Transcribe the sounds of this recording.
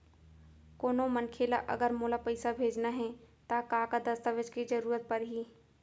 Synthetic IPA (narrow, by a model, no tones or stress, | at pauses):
koːnomənkʰeːlaʔɐ̰ɡəɾmoːlapəɪsabʱeːd͡ʒnaɦɛ̃t̪akaːkad̪ɐst̪aʋed͡ʒkid͡ʒəɾuːɾət̪̚pɐɾɦiː